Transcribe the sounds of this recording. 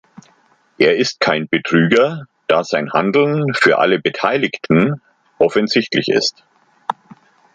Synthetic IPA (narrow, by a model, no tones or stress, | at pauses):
ʔeːɐɪst̚kʰaɪnbətʁ̥yːɡɐ | d̥aːzaɪnhandl̩nfyːɐʔa̰ləbətʰaɪlɪçtn̩ | ʔɔfənzɪçtlɪçɪ̰st